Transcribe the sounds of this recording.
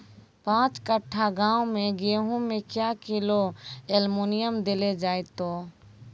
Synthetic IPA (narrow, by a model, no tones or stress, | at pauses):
pãːt͡ʃkəʈʰːaɡãːomẽɡeɦũmẽkjakɪloelmoːnɪjəmd̪ɪled͡ʒaːet̪oː